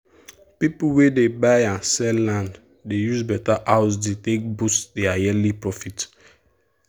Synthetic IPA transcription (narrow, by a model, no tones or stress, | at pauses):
pipuwedebaɪãnsɛlãnd | dejuzbɛtaʔaʊs̬detek̚busdeajɛlipɹɔfit